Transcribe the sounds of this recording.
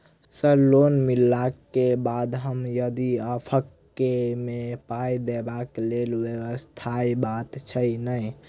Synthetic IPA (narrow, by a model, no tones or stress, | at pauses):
səlonmilːakːebad̪ɦəmjəd̪iəpʰəkːemepajd̪ebaklelʋjewəst̪ʰaibat̪t͡ʃʰənəj